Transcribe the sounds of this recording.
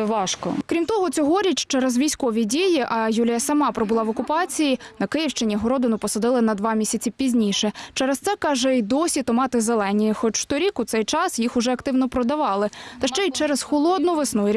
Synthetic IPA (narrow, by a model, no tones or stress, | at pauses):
ʋɑʃkɔ̰kɾʲimt̪ɔɦɔt͡sʲɔɦɔɾʲit͡ʃʲt͡ʃɛɾɛzʋʲijsʲkɔʋʲidʲijiʔɐjulʲijɐsɐmɑpɾɔbʊlˠɑʋɔkʊpɑt͡sʲijinɐkɪjiwʃt͡ʃenʲiɦɔɾɔd̪ɪnʊpɔsɐd̪ɪlˠɪnɐd̪ʋɑmʲisʲɐt͡sʲipʲizʲnʲiʃɛt͡ʃɛɾɛst̪sɛkɑʒɛid̪ɔsʲit̪ɔmɑt̪ɪzelˠɛnʲijixɔt͡ʃʃt̪ɔɾʲikʊt̪sɛjt͡ʃɑsjixʊʒɛɐkt̪ɪwnɔpɾɔd̪ɐʋɑlˠɪt̪ɐʃt͡ʃɛit͡ʃɛɾɛzxɔlˠɔd̪nʊʋɪsnujɾʲ